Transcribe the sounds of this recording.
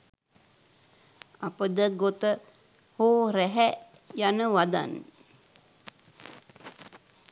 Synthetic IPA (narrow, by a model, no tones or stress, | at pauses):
apəd̪əɡot̪ə | hoːɾɛɦɛ | janəʋad̪a̰n